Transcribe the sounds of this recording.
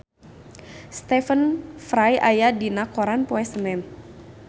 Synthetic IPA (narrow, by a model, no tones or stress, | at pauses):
st̪ɛfənfɾajajadinakɔɾanpɔɛsənɛn